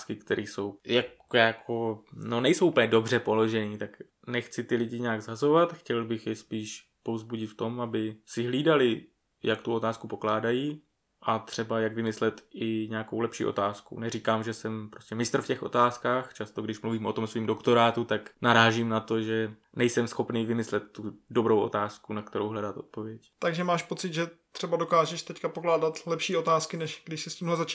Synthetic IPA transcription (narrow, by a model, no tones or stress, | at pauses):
skɪkt̪ɛɾʔiːso̞wjak | jakʰo̞no̞nɛjsowʔupəlɲɛdo̞br̝ɛpo̞lo̞ʒɛniːt̪ak | nɛxt͡sɪt̪ɪlɪɟɪɲɛaːɡzɦazo̞vat̪xcɛlbɪxjɪspiːʃ | po̞vzbuɟɪt̪ft̪o̞mʔabɪsɪɦliːdalɪ | jakt̪uo̞t̪aːskupo̞klaːdajiː | ʔat̪r̝̥ɛbajaɡvɪmɪslɛt̪ɪɲɛako̞wlɛpʃḭːʔo̞̰t̪aːskṵnɛriːkaːmʒɛsɛmpɾo̞stcɛmɪst̪r̩fcɛxʔo̞̰t̪aːskaːxt͡ʃast̪o̞ɡdɪʃmluviːmo̞t̪o̞msviːmdo̞kt̪o̞ɾaːt̪ut̪aknaɾaːʒimnat̪o̞ʒɛ | nɛjsɛmsxo̞pniːvɪmɪslɛt̪ːudo̞bɾowʔo̞̰t̪aːskunakt̪ɛɾowɦlɛdat̪ʔo̞̰t̪po̞vjɛct̪aɡʒɛmaːʃpo̞t͡sɪd̪ʒɛt̪r̥ɛbadokaːʒɛʃt̪ɛckapoklaːdat̪lɛpʃiːo̞t̪aːskɪnɛʃɡdɪʃsɪscʲiːmɦlɛzat͡ʃ